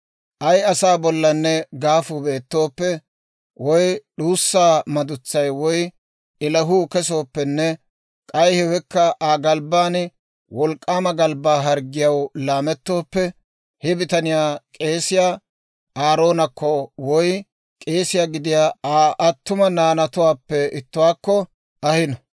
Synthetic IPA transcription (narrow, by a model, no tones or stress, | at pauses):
ʔɐjɐsaːbɔlːɐnːɛɡaːfube̞ːt̪ːo̞ːpːɛ | wɔjɗuːsːaːmɐd̪ʊt͡sːɐjwɔj | ʔɪlɐɦuːkɛs̬o̞ːpːɛnːɛ | kʼɐjhɛwɛkːɐʔaːɡɐlbaːn | wɔlkʼːaːmɐɡɐlbːaːɦɐɾɡɪjɐwlaːmɛt̪ːo̞ːpːɛ | hɛbɪt̪ɐnɪjaːkʼe̞ːsɪjaː | ʔaːɾo̞ːnɐkːɔwɔj | kʼe̞ːsɪjaːɡɪd̪ɪjaːaːʔɐt̪ːʊmɐnaːnɐt̪ʊwaːpːɛɪt̪ːʊwaːkːɔ | ʔɐhɪnɐ